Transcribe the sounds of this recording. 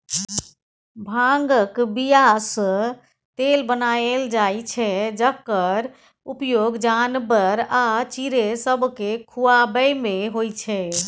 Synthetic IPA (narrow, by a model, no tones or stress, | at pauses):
bʱaŋɡəkbijasə̃ | t̪elbənaeld͡ʒajt͡ʃʰɛd͡ʒəkːəɾ | upjoɡd͡ʒanbəɾat͡ʃiɾesəbʱkekʰuabəjmeɦojt͡ʃʰɛ